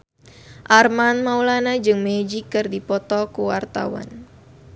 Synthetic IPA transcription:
ʔarmanmawlanad͡ʒɨŋmed͡ʒikːɨrdipɔt̪ɔkuwart̪a̰wa̰n

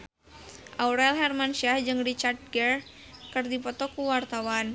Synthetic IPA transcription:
ʔawɾɛlɦɛrmanʃahd͡ʒɨŋrit͡ʃard̪̚ɡɛr | kɨrdipɔt̪ɔkuwart̪awan

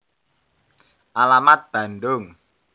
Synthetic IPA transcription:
ʔalamat̪̚b̥ä̤nɖʊŋ

